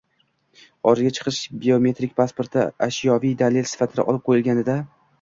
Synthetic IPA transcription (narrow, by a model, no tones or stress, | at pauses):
ɒɾɪɡʲat͡ʃʰɨ̥qʰɨʃbʲeomʲe̞t̪ɾik̚ʲpʰaspo̞ɾt̪a̰ʔaʃjɒvijd̪alelsɪ̥fat̪ʰɪd̪a̰ʔɒlˠɪp̚qʰojɪlɡʲanɪd̪a